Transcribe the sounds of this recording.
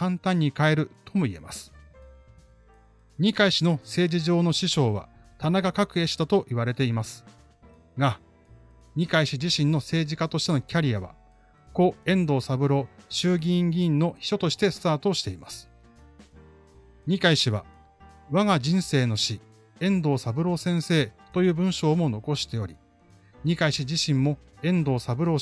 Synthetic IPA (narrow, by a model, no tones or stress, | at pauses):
kãnt̪ãɲ̟ːikae̞ɾɯ̟t̪ʰo̞mo̞ie̞̰ma̰sɨ̥ | ɲ̟ikaiɕino̞se̞ːd͡ʑiʑo̞ːno̞ɕiɕo̞ːβa̰ | t̪anaɡakakɯ̟eɕi̥t̪at̪o̞ʔiβaɾe̞t̪e̞imasɨ̥ | ɡa | ɲ̟ikaiɕid͡ʑiɕĩnːo̞se̞ːʑikat̪o̞ɕi̥t̪e̞no̞kʲaɾʲijaβa̰ | ko̞ẽ̞nd̪o̞ːsabɯ̟ɾo̞ɕɨːɡʲĩŋɡʲĩnːo̞çi̥ɕo̞t̪o̞ɕi̥t̪e̞sɨ̥t̪aːt̪o̞ɕi̥t̪e̞imasɨ̥ | ɲ̟ikaiɕiβa̰ | βaɡad͡ʑĩɰ̃se̞ːno̞ɕi | ẽ̞nd̪o̞ːsabɯ̟ɾo̞sẽ̞ɰ̃se̞ːt̪o̞jɯ̟ːbɯ̟̃ɰ̃ɕo̞ːmo̞no̞ko̞ɕi̥t̪e̞o̞ɾʲi | ɲ̟ikaiɕiʑiɕĩmːo̞ẽ̞nd̪o̞ːsabɯ̟ɾo̞ː